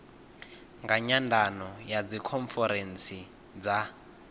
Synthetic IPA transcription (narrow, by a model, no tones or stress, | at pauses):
ŋɡaɲandʱanɔjad͡zikʰɔɱfɛɾɛnt͡sʰi | d͡za